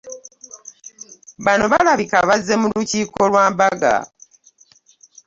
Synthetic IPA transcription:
βano̞βalaβikaβazːe̞muluciːko̞lwaːmbaɡa̰

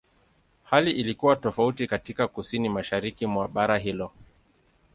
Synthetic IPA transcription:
haliʔilikuwatɔfautikatikakusinimaʃaɾikimwaɓaɾaɦilɔ

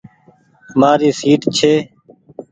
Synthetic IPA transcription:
əmaːɾiːsiːʈt͡ʃʰeː

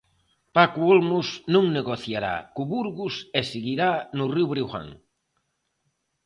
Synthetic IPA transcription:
pakuolmusnũŋneɣoθjaɾa̰kuβuɾɣusesiɣiɾanuriwβɾiwɣa̰ŋ

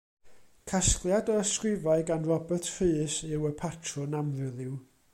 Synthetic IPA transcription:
kʰasklˠjadəəskrɪvaɨɡanrɔbərtʰfɪːsɪwəpʰatʰrɔnamðɨðɪw

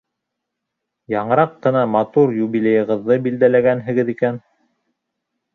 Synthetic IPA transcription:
jɑɴɤ̆ɾɑqːɤ̆nɑmɑt̪uɾjuβilʲejɤ̆ʁɤ̆ðːɤbild̪ælæɡænɦɘ̆ɡɘðikæn

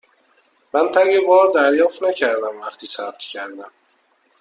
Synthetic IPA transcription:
mænt̪ʰæɡebɒːɾd̪æɾjɒːft̪næcʰæɾd̪æmvæxt̪ʰiːsæb̚t̪ʰcʰæɾd̪æm

